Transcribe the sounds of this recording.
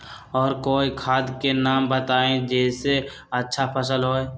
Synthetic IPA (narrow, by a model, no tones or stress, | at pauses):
ɔːɾkoːikʰaːd̪kenaːmbət̪aːẽd͡ʒɛːse | ɐtːʃʰapʰəsəlɦoːe